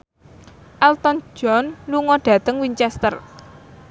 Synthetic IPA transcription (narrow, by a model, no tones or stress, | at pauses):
ʔɛlt̪ɔn̥d͡ʒ̥ɔnluŋɔɖ̥ä̤t̪əŋwiɲt͡ʃɛst̪ər